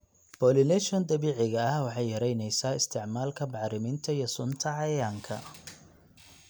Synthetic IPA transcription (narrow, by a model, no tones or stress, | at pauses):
b̥ɔːlɪlɛʃɔnd̪ɐβiːʕɪɣɐɐhwɑħɑjːɐɾɛjnɛjsaːɪst̪ʰɪʕmaːlkʰɐbɑʕɾɪmɪnt̪ʰɐijɔsʊnt̪ʰɐʕɑjjaːŋkʰɐ̰